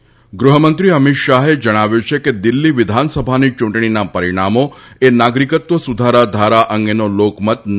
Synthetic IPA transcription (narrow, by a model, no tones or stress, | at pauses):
ɡɾuɦəmənt̪ɾiəmit̪ʃaɦed͡ʒəɽ̃aʋjut͡ʃʰeked̪ilːiʋɪd̪ʱansəbʱanit͡ʃũɳʈɳinapəɾiɽ̃amoenaɡɾikət̪ʋəsud̪ʱaɾad̪ʱaɾaʔəŋɡenolokmət̪n